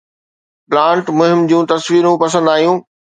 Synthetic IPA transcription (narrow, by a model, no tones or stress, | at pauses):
plãːɳʈmʊɦɪmd͡ʑũːt̪ɐsʋiːɾũpɐsə̃nd̪aːijũː